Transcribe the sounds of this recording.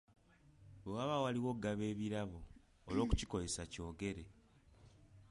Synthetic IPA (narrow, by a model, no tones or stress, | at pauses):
wewaβawaliwo̞ɡaβe̞ːβiɾaβoː | lo̞ːku̥ciko̞ze̞saco̞ːɡe̞ɾe̞